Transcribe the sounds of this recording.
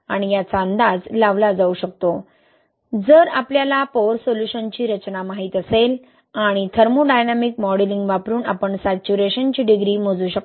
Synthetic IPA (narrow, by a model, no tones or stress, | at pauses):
aɽ̃ijat͡saənd̪ad͡zlaʋlad͡zauɕək̚t̪o | d͡zəɾapljalapoɾsoljuɕənt͡ɕiːɾət͡ɕnamaɦiːt̪əsel | aɽ̃it̪ʰəɾmuɖajnamikmɔɽeliŋɡʋapɾuːna̰pəɳsat͡ɕuɾeɕənt͡ɕiːɖiɡɾiːmod͡zuːɕək